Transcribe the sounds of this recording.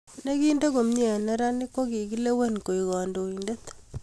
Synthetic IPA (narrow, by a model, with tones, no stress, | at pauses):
ne˦ki˦ndo˦ko˨m˦ɲe˨ne˦ɾa˦ni˦kːo˦ki˨ki˦le˦we˦nko˨i˨kɔ˨ndo˨inde˦t